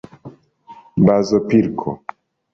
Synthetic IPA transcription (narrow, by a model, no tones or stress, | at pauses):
bazɔpiɾkʰɔ̰